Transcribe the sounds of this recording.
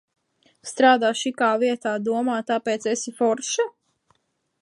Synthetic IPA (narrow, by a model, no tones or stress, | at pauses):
st̪ɾaːd̪aːʃikaːviɛt̪aːd̪uɔmaːt̪apeːt̪sesifɔɾʃa